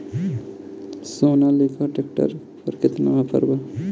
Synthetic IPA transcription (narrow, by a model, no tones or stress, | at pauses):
soːnaleːkʰaʈek̚ʈə̰ɾ | pəɾkɪt̪napə̰ɾba